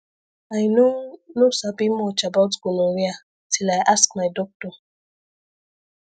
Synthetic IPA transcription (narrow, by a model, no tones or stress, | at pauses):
ajnonosabimɔt͡ʃabawtɡ̥onowia | tʰilajʔaskmajdɔk̚to